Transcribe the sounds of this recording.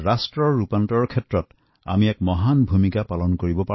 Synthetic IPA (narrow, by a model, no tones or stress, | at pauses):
ɹastɹɔɹːupantɔɹkʰɛtɹɔt | a̰miɛkmɔɦanbʱumikapalɔnkoɹibɔpa